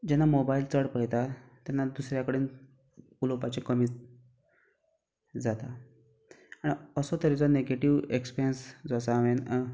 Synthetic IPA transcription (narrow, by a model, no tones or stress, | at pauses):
d͡ʑɛnːamobailt͡səɽpəɽjt̪at̪janːad̪usɾjakəɽiːn | ulopat͡ɕekəmiː | d͡zat̪a | aɽ̃iəsot̪əɾet͡sɔneɡeʈiʋekspiɾijənsd͡zasaʋen